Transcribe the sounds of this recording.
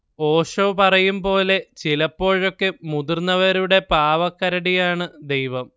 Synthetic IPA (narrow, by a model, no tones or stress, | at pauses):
o̞ːʂɐʋpɐrɐjumpo̞ːle̞t͡ɕilɐpːo̞ːɻo̞kːemud̪urnːɐʋɐɾuɽe̞paːʋɐkːɐɾɐɽijaːɳɨd̪e̞jʋɐm